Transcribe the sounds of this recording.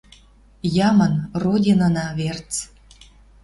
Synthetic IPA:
jɑmənrodʲinə̆nɑβert͡s

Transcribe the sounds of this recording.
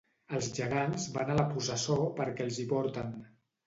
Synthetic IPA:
əlˠzʒəɣ̞anzβanələpusəsopəɾkɛlˠziβɔɾt̪ən

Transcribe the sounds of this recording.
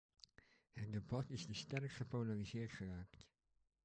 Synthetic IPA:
hət̚dəbɑtɪsdəstɛrkχəponalizɪːɹtχəraːkt

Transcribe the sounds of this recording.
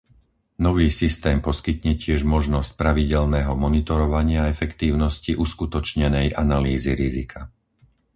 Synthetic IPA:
nɔʋiːsist̪ɛːmpɔskit̪ɲɛcɪɛʒmɔʒnɔsc̚pɾaʋiɟɛlnɛːɦɔmɔnit̪ɔɾɔʋaɲɪaɛfɛkt̪iːʊnɔsciʔuskut̪ɔt͡ʃɲɛnɛjʔanaliːziɾizikʰa

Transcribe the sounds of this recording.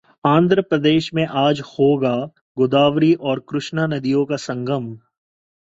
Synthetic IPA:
ãːnd̪ʱɾəpɾəd̪eːʃmẽʔaːd͡ʒhoːɡa | ɡʊd̪aːʋɾiʔɔːɾkɾʊʃnanɐd̪ijõkasɐ̃ŋɡʱəm

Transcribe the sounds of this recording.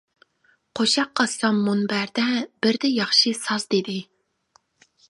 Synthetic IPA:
qʰoʃɑqːɑsɑmːunbæɾd̪ɛbɪɾd̪ɛjɑχʃisɑzd̪ed̪ɪ

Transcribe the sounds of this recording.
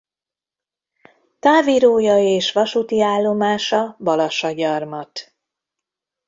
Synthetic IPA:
t̪aːviɾoːjɒjeːʃʋɒʃut̪iaːlːo̞maːʃɒbɒlɒʃɒɟɒrmɒt̪

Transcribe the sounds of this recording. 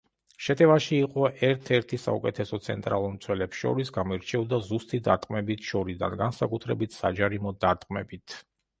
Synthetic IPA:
ʃɛt̪ʼɛvaʃiːqʼɔʔɛɾt̪ʰɛɾt̪ʰisa̰ukʼɛt̪ʰɛsɔt̪sʰɛ̰nt̪ʼɾa̰lˠuɾmt̪sʰwɛlɛpsʃɔ̰ɾisɡamiɾt͡ʃʰɛvd̪azust̪ʼid̪aɾt̪ʼqʼmɛbit̪ʰʃɔɾid̪a̰nɡansakʼut̪ʰɾɛbit̪ʰsad͡ʒaɾimɔd̪aɾt̪ʼqʼmɛbit̪ʰ

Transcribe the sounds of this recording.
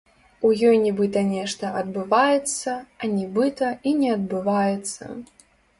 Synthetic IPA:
ujɔjnʲɛbɨt̪ɐnʲɛʂt̪ɐʔɐd̪̚bɨvajɛt̪sːɐɐnʲɛbɨt̪ɐinʲɛɐd̪̚bɨvajɛt̪sːɐ̰

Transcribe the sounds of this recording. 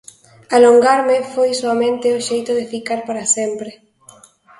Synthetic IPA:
aloŋɡaɾmefojsoamẽnt̪eoʃejt̪oðefikaɾpaɾasempɾe

